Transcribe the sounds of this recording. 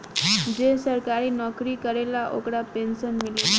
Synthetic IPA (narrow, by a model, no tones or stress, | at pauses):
d͡ʑesəɾkaɾiːnɔkɾiːkəɾelaʔokɽapensənmile